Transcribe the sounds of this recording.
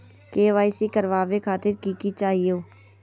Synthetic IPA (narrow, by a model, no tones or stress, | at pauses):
keːʋaːisiːkəɾʋaːʋeːkʰaːt̪ɪɾkiːkiːt͡ʃaːɦioː